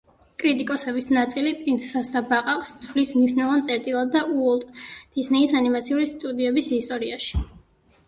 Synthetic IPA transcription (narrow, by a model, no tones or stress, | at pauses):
kʼɾit̪ʼikʼɔsɛbisnat̪sʼilipʼint̪sʰsasd̪abaqʼaqʼst̪ʰvlismniʃnɛlˠvant̪sʼɛɾt̪ʼilˠad̪̚ːaʔuɔlˠt̪ʼd̪̥isnɛisanimat̪sʰiulist̪ʼud̪iɛbisist̪ʼɔɾiaʃi̥